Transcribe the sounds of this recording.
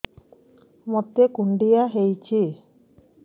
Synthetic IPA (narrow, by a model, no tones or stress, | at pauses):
mɔt̪ːekuɳɖijaɦejt͡ʃʰi